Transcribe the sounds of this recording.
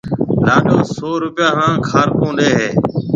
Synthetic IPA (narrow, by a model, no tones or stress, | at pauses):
laːɗoːsoːɾʊpɪjaːɦãːkʰaːɾkõːɗeːɦeː